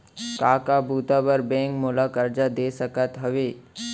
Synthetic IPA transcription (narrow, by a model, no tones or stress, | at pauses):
kaːkabʱuːt̪abəɾbẽːŋkmoːlakəɾd͡ʒad̪eːsəkət̪ɦɐʋeː